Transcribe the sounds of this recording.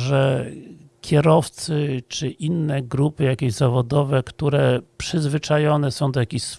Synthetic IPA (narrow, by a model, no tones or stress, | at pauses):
ʐɛ | kʲɛɾɔft̪sɘt͡ʂɘʔinːɛɡɾupɘjakʲejzavɔd̪ɔvɛkt̪uɾɛpʂɘzvɘt͡ʂajɔnɛsɔ̃w̃d̪ɔjakʲeɕs